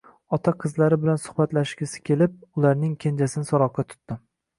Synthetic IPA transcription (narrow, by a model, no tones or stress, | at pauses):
ɒt̪ʰaqʰɨzlaɾɪbɪlansʊ̥χbat̪laʃɡʲɪsɪ̥kʲe̞lɪp̚ʊlaɾnɪŋkʲʰend͡ʒasɪnɪsɒɾɒqːɑt̪ʰʊ̥t̪ːɪ